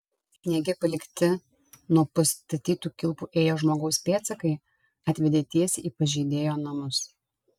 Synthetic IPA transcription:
nʲɛɡʲɪpɐlʲɪkʲt̪ʲɪ | nuɔpɐst̪ɐt̪ʲiːt̪uːkʲɪlˠpuːʔeːjoːʒmoːɡɒʊspʲeːt̪sʲɐkɐɪ | ɐt̪ʲʋʲɛd̪ʲeːt̪ʲiɛsʲiːpɐʒʲɛɪd̪ʲeːjoːnɐmʊs

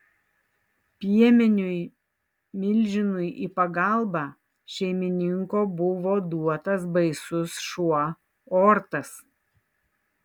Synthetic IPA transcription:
pʲiɛmʲɪnʲʊɪ | mʲɪlʲʒʲɪnʊɪʔiːpɐɡɐlˠbɑː | ʃʲɛɪmʲɪnʲɪŋkoːbʊʋoːd̪uɔt̪ɐs̬bɐɪsʊsʃuɔ | ɔːɾt̪ɐs

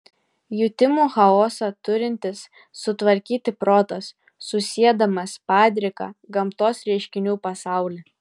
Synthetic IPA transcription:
jʊt̪ʲɪmuːxɐoːsɐt̪ʊɾʲɪnʲt̪ʲɪsː | ʊt̪ʋɐɾʲkʲiːt̪ʲɪpɾoːt̪ɐsː | ʊsʲiɛd̪ɐmɐspɑːd̪ʲɾʲɪkɐ̰ɡɐmt̪oːsɾʲɛɪʃʲkʲɪnʲuːpɐsɑˑʊlʲi

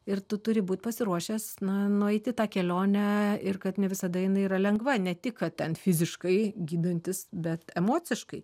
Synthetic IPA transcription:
ɪrt̪ʊt̪ʊɾʲɪbuːt̪̚ʲpɐsʲɪɾuɔʃʲɛsnɐnʊɛɪt̪ʲɪt̪ɑːkʲɛlʲoːnʲæɪrkɐt̪nʲɛʋʲɪsɐd̪ɐjɪnɐɪiɾɐlʲɛŋɡʋɐnʲɛt̪ʲɪkkɐt̚tʲɛnfʲɪzʲɪʃkɐɪɡʲiːd̪onʲt̪ʲɪsbʲɛt̪ɛmoːt͡s̪ʲɪʃkɐɪ

